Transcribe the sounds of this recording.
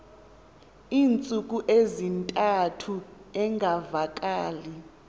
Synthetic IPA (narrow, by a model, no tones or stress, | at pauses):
iːnt͡sʼuk̬ʼuʔezintʼatʰuɛŋɡʱavakʼaːli